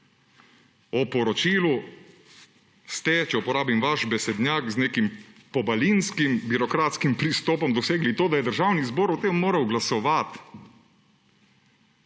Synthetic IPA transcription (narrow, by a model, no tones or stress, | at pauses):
ɔpɔɾɔt͡ʃiːlu | st̪ɛt͡ʃɛupɔɾaːbimʋaʃbɛsɛd̪njaːkzneːkimpɔbalinskimbiɾɔkɾaːt̪skimpɾist̪ɔːpɔmd̪ɔseːɡlit̪oːd̪ajɛd̪əɾʒawnizboːɾut̪emːoːɾɐwɡlasɔʋat̪